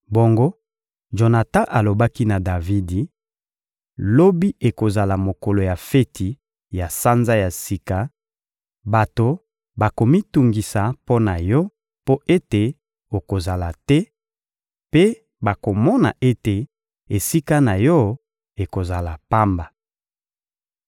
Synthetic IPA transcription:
bo˨ŋɡo˦ | ʒo˨na˨tã˦ʔa˨lo˨ba˦ki˦na˨da˨vi˦di˨ | lo˦bi˦e˨ko˨za˨la˨mo˨ko˨lo˨ja˨fe˦tʰi˨ | ja˨sa˦nza˦ja˨si˦ka˨ | ba˨to˨ | ba˨ko˨mi˦tu˨ŋɡi˨sa˨po˦na˨jɔ˦ | po˦ʔe˦te˨ | o˨ko˨za˨la˨tɛ˦ | pe˦ | ba˨ko˨mɔ˦na̰˨ʔe˦te˨ | e˨si˦ka˦na˨jɔ˦ | e˨ko˨za˨la˨pa˦mba˨

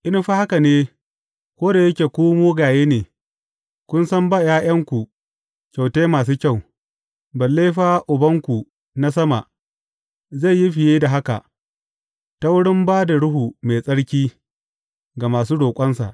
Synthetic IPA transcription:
ʔɪ˦n˦ɸaː˦ha˦ka˨neː˦ | kʷoː˦da˨jɐ˦kʲeː˨kʷoː˦moː˦ɡaː˨jeː˦neː˨ | kʷʊ˦nsɐ˦mbaː˦˨jaː˦j̰ɐ˦ŋkʷu˨ | kʲa˨wteː˦maː˨s̬uː˦kʲa˦˨w | bɐ˨lːe˦ɸaː˦ʔʊ˨bɐ˦ŋkʷu˨ | na˦s̬ɐ˦ma̰˨ʔ | za˦˨jji˦ɸɪ˨jeː˦da˨ɦa˦ka̰˨ʔ | ta˦wʊ˦ɽɪ˦mbaː˦da˨ɽʊ˦ɦu˨me˨sʼɐ˦ɽkʲiː˦ | ɡa˨maː˨s̬uː˦doː˨kʷʼɐ˦nsa̰˨ʔ

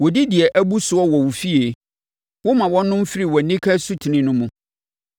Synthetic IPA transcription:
wɔ˨di˦dɪ˨ɛ˨ʔæ˦bu˦sʊ˨˦ɔ˦wɔ˨wu˨fi˦e˨ | wʊ˦mã˨wɔ̃˦nːʊ̃˦m̩˦fɪ˦ɾi˨wɔ˨nːĩ˦kʰa˦su˦tʰi˨nɪ̃˦nʊ̃˦mũ˨

